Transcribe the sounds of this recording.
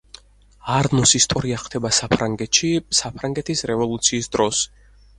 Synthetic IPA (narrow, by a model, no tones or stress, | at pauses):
aɾnɔsist̪ʼɔɾiaχt̪ʰɛbasapʰɾaŋɡɛt̪ʃisapʰɾaŋɡɛt̪ʰisɾɛvɔlˠut̪sʰiːsd̪ɾɔs